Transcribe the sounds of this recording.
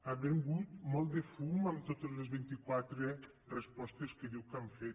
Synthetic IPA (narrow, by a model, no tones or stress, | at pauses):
aβeŋɡut̪mɔlˠt̪d̪efumamt̪ot̪ezlezβint̪ikwat̪ɾe | respɔst̪eskeðiwkaɱfe